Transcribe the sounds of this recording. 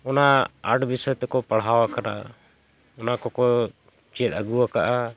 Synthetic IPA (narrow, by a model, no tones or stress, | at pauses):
ɔnaaʈbisɔjt̪ɛkɔpaɽ̤ɦawakana̰ | ɔnakɔkɔ | t͡ʃɛt̪əɡuwakaʔa